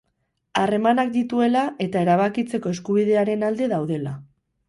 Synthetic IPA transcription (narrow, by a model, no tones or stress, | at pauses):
are̞manak̚d̪it̪ue̞lae̞t̪ae̞ɾaβ̞akit͡se̞ko̞e̞skuβ̞iðe̞aɾe̞nald̪e̞ðawð̞e̞la